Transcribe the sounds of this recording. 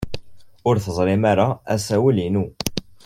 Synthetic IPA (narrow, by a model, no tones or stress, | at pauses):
ʊɾθəzˤlɪmaɾaæ̰sæwəlinu